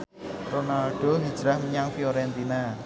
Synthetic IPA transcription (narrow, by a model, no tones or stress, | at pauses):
ronalɖ̥o̤ɦid̥ʒ̥ɾahməɲaŋfioɾɛnt̪ina